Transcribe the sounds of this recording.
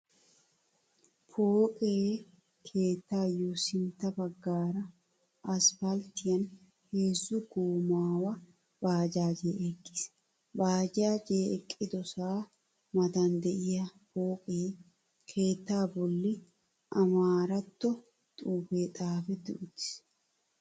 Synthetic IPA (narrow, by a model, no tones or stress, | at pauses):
pʰoːkʼeː | kʰeːt̪ːaːjoːsɪnt̪ːɐbɐɡːaːɾɐ | ɐsfɐlt̪ɪjɐn | heːzːʊɡuːmaːwɐ | baːd͡ʒaːd͡ʒeːʔɛkʼːɪ̥sɛ̥ | baːd͡ʒaːd͡ʒeːɛkʼːɪd̪ɔsaː | mɐd̪ɐnd̪ɛʔɪjɐpoːkʼeː | kʰe̞ːt̪ːaːbɔlːɪ | ʔɐmaːɾɐt̪ːɔ | t̪ʼuːbeːt̪ʼaːfɛd̪ɪʔʊt̪ɪ̥s